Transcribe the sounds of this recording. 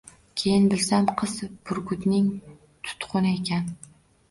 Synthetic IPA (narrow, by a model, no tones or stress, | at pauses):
kʲʰejɪnbɪlsamqʰɨz̥b̥ʊɾɡʊd̪nɪŋ | t̪ʰʊ̥t̪qʰʊnɪekʲʰæn